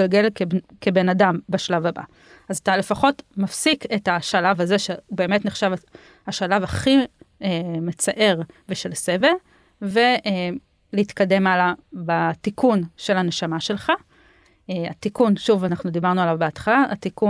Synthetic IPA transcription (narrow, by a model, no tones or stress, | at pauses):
alɡe̞lkebe̞nadambaʃlavaba̰ | azatale̞faχo̞tmafsiketaʃalavaze̞ʃeube̞ːme̞tneχʃava | haʃalavaχiemet͡saʔe̞ʁveʃe̞lsevel | ve̞e | leitkade̞malabatikunʃe̞laneʃamaʃe̞lχa | eatikunʃuvanaχnud̪ibaʁnualavbeatχalaʔːt̪iku